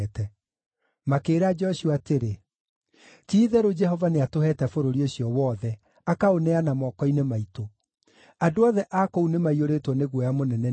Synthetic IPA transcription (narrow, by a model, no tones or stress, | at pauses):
tɛ | makeːɾad͡ʒɔɕuateɾe | tiːðɛɾod͡ʒɛhɔvaneatohɛtɛfoɾoɾioɕiɔwɔðɛ | akaonɛanamɔkɔinemaito | adoɔðɛʔakɔunemaioɾetwɔneɣwɔjamonɛnɛ